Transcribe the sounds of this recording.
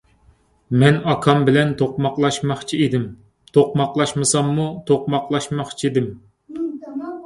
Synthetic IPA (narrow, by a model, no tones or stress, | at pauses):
mɛnɑkʰɑmbɪlɛnt̪ʰoq̚mɑqlˠɑʃmɑχt͡ʃʰied̪ɪm | t̪ʰoq̚mɑqlˠɑʃmɨsɑmːut̪ʰoq̚mɑqlˠɑʃmɑχt͡ʃʰiid̪ɪm